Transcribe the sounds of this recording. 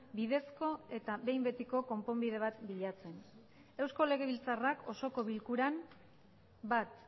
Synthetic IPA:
bið̞e̞sko̞e̞t̪aβe̞jmbe̞t̪iko̞ko̞mpo̞mbið̞e̞βat̪biʎat͡se̞n | e̞wsko̞le̞ɣ̞e̞βilt͡sarako̞so̞ko̞βilkuɾam | bat̪

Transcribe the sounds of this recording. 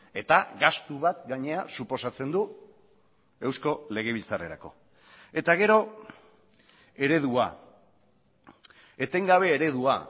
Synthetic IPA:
e̞t̪aɣast̪uβat̪ɡaɲe̞asupo̞sat͡se̞nd̪u | e̞wsko̞le̞ɣ̞e̞βilt͡sare̞ɾako̞̰ | e̞t̪aɣ̞e̞ɾo̞ | e̞ɾe̞ð̞ua̰ | e̞t̪e̞ŋɡaβ̞e̞ːɾe̞ðua̰

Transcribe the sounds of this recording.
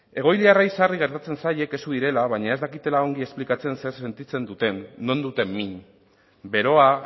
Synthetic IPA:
e̞ɣ̞o̞jliaraisariɣ̞e̞ɾt̪at͡se̞nsaje̞ke̞suðiɾe̞laβaɲae̞zd̪akit̪e̞lao̞ŋɡie̞splikat͡se̞nse̞ɾse̞nt̪it͡se̞nd̪ut̪e̞nːo̞nd̪ut̪e̞mːiɲ | be̞ɾo̞a

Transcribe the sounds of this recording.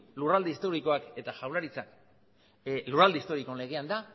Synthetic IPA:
lurald̪eist̪o̞ɾiko̞ake̞t̪aʝawlaɾit͡sak | lurald̪eist̪o̞ɾiko̞le̞ɣ̞e̞and̪a

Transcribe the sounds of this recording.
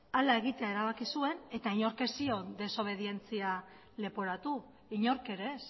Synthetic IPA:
alae̞ɣ̞it̪e̞ae̞ɾaβ̞akisue̞ne̞t̪aiɲo̞ɾke̞sio̞nd̪e̞so̞β̞e̞ð̞ie̞nt͡sia | le̞poɾat̪u | iɲo̞ɾke̞ɾe̞s

